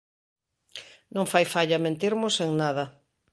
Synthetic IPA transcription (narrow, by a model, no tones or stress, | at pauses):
nõŋfajfaʎɐmẽnt̪iɾmʊseŋnaðɐ